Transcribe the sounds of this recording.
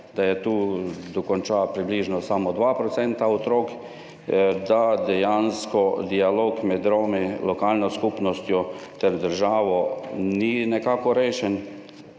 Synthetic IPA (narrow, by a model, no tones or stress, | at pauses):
d̪ajɛt̪uːd̪ɔkɔnt͡ʃapɾibliːʒnɔsamɔd̪ʋapɾɔt̪sɛnt̪aɔt̪ɾoːk | d̪ad̪ɛjanskɔd̪ialoːkmɛd̪̚d̪ɾoːmelɔkaːlnɔskupnɔst̪jɔt̪ɛɾd̪əɾʒaːʋɔninɛkaːkɔɾeːʃɛn